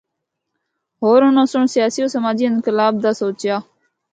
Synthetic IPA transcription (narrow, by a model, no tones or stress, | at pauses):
ɦoːɾonõːsəɳsɪjaːsijõːsəmaːd͡ʒiɪnkəlaːb̚d̪aːsoːt͡ʃjaː